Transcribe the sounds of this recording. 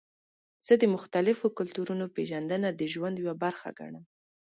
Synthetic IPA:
z̥əd̪əmʊxt̪alɪfokʊlt̪uɾunopeʒand̪ənad̪əʒwand̪jwabaɾxa̰ɡa̰ɳəm

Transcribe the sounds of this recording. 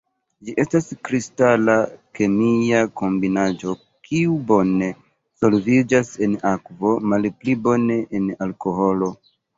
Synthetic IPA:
d͡ʒiʔe̞staskɾistalake̞miako̞mbinad͡ʒo̞ | kʰiubo̞ne̞ | so̞lvid͡ʒase̞nakvo̞malplibo̞ne̞ʔenalko̞ɦo̞lo̞

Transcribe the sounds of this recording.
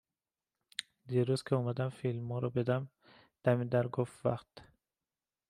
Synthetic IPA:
d̪iɾuzkʲʰeɔmad̪amfilmɔɾɔbed̪am | d̪̥æmid̪aɾɡofva̰χt̪

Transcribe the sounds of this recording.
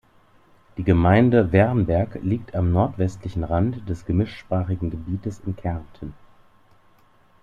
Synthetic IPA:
d̥iːɡəmaɪndəvɛɐnbɛɐkliːk̚tʰamnɔɐtv̥ɛstʰlɪçn̩ʁantd̥ɛsɡ̥əmɪʃʃpʁ̥aːχɪɡŋ̩ɡəbiːtəsɪnkʰɛɐntʰən̩

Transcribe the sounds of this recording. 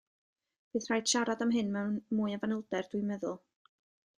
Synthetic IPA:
b̥ɨːð̥r̥ajd̥ʃaɾadamɦɨnmɛwnmuːjavanɪlˠdɛrd̥wɨmɛðʊlˠ

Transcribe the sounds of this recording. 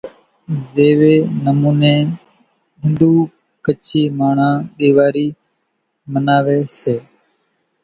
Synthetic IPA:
zeːʋeːnəmuːnẽː | ɦɪ̃nd̪uː | kət͡ʃʰiːmaːɳ̤ãːɗiːʋaːɾiː | mənaːʋeːseː

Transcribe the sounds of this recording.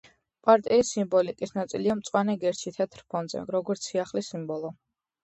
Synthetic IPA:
pʼaɾt̪ʼiisimbɔlikʼisnat̪sʼiliamt̪sʼwanɛɡɛɾt͡ʃʰit̪ʰɛt̪ʰɾpʰɔnd̪zɛ̰ɾɔɡɔɾt̪sʰiaχlisimbɔlˠɔ

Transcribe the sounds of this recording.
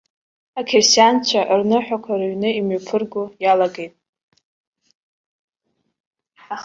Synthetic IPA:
akʰersjant͡ʃʷʰaʔrnɨħʷᶣakʷʰaraɥnɨimopʰɨrɡojalaɡe̞jtʼ | a

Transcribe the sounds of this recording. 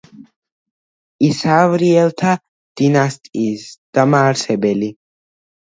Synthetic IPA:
isaːvɾiɛlˠt̪ʰa | d̪̥inast̪ʼisd̪̥amaːɾsɛbɛli

